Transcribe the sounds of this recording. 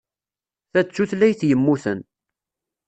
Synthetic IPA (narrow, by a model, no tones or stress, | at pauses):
θæt͡sːuθlæjθjəmːuθən